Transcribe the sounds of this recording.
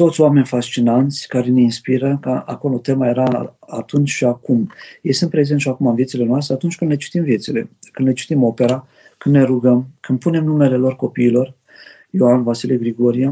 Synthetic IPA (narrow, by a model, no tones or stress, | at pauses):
t̪o̞t̪sʲjoame̞nʲfast͡ʃinant̪sʲkaɾe̞neinspiɾəkəako̞lo̞t̪e̞maje̞ɾaat̪unt͡ʃʃiakumjejsɨnt̪pɾe̞ze̞nʃiakumanvje̞t̪ile̞noast̪ɾe̞at̪unt͡ʃʲkɨnd̪le̞t͡ʃi̥t̪imvje̞t̪sile̞̰kɨnle̞t͡ʃi̥t̪imo̞pe̞ɾa | kɨnd̪ne̞ɾuɡəmkɨnpune̞mnume̞le̞lo̞rko̞piːlo̞r | joanvasiliɡɾiɡo̞ɾija